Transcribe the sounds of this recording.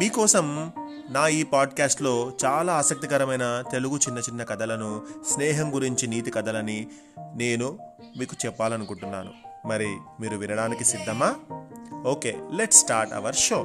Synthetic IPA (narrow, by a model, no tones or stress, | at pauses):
miːkɔːsɐm | naːiːpaːɖkaːsʈlo̞ːt͡ʃaːlaːsɐk̚t̪ikɐɾɐmɐjnɐt̪e̞luɡut͡ʃinːɐt͡ʃinːɐkɐd̪ɐlɐnusnɛːɦɐmɡuɾiɲt͡ʃiniːt̪̬ikɐd̪ɐlɐni | ne̞ːnu | miːku̥t͡ʃɛpːaːlɐnukuɳʈunːa̰ːnṵmɐɾimiːɾuʋinɐɽaːnikisid̪ʱːɐmaː | oːkeːleʈsʈaːɾʈɐ̰ʋɐɾʃo̞ː